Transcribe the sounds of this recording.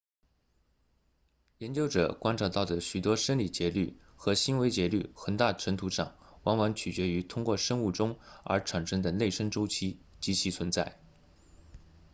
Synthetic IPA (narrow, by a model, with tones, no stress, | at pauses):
jɛ˧˥nt͡ɕjo˥ʊʈ͡ʂɤ̰˨˩kwa˥nʈ͡ʂʰa˥˩t̪ɑ˥˩ʊd̪ə˩ɕy˨˩t̪wɔ˥ʂə˥nli˨˩t͡ɕjɛ˧˥ly̰˥˩ | xɤ˧˥ɕi˥nwe˧˥ɪt͡ɕjɛ˧˥ly̰˥˩xə˨˩nt̪a˥˩ʈ͡ʂʰə˧˥ŋt̪ʰu˧˥ʂɑ̰˥˩ŋwa˧˥ŋwɑ˧˥ŋt͡ɕʰy˨˩t͡ɕɥɛ˧˥y˧˥t̪ʰʊ˥ŋkwɔ˥˩ʂɤ˥ŋu˥˩ʈ͡ʂʊ˥ŋə̰˞˧˥ʈ͡ʂʰa˨˩nʂə˥ŋd̪ə˨ne˥˩ɪʂə˥ŋʈ͡ʂo˥ʊt͡ɕʰi˥t͡ɕi˧˥t͡ɕʰi˧˥t͡sʰwə˧˥nt͡sa˥˩ɪ